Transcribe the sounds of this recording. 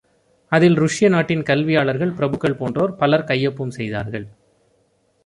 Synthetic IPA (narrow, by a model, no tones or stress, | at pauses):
ɐðɪlɾʊʂɪjɐnaːʈːɪnkɐlʋɪjaːɭɐɾɣɐɭpɪɾɐbɯkːɐɭpoːndroːɾpɐlɐɾkɐjːɐpːɯmsɛjða̰ːɾɣɐɭ